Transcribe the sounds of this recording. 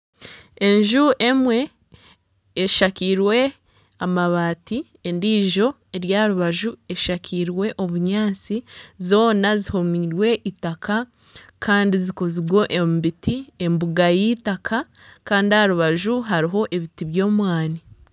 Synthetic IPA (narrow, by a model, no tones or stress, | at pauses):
e̞ɲʒuʔe̞mwe̞ | ʃakiːɾwe̞ | amaβaːti | e̞ndiːʒo̞ | e̞ɾjaːɾuβaʒue̞ʃakʰiːɾwe̞ʔo̞βuɲaːt͡sizo̞ːnazihomiɾwe̞ʔitakʰa | kʰaːndiziko̞ziɡwo̞ʔembitie̞mbuɡajitaka | kaːndihaɾuβaʒuɦaɾiɦo̞ʔe̞βitiβjo̞ːmwaːni